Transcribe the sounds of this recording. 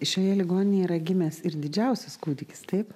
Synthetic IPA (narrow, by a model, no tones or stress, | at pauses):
ʃʲoːjɛlʲɪɡoːnʲɪnʲejiːɾɐɡʲɪmʲeːsɪɾd̪ʲɪd͡ʒʲɛʊsʲɛskuːd̪ʲɪkʲɪ̥st̪ɐɪp